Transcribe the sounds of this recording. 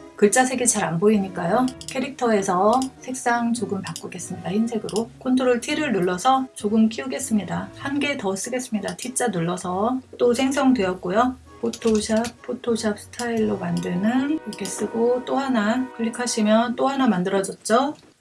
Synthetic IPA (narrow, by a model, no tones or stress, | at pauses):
kɯɭt͡ɕ͈asʰe̞ɡit͡ɕaɾanboiɲik͈ajokʰe̞ɾik̚tʰʌe̞sʰʌsʰe̞k̚s͈aŋt͡ɕoɡɯmpak͈oɡe̞s͈ɯmɲidahinsʰe̞ɡɯɾokʰontʰoɾɯɭtʰiɾɯɭnuɭːʌsʰʌt͡ɕoɡɯmk͈ʰiuɡe̞s͈ɯmɲidahanɡe̞tʌs͈ɯɡe̞s͈ɯmɲidatʰit͡ɕ͈anuɭːʌsʰʌt͈osʰe̞ŋs̬ʰʌŋdwe̞ʌt̚k͈ojo | pʰotʰoɕʰap̚pʰotʰoɕʰap̚sʰɯ̥tʰaiɭːomandɯnɯnʌkʰe̞s͈ɯɡot͈ohanakʰɯʎːikʰaɕʰimjʌnt͈ohanamandɯɾʌd͡ʑʌt̚t͡ɕ͈o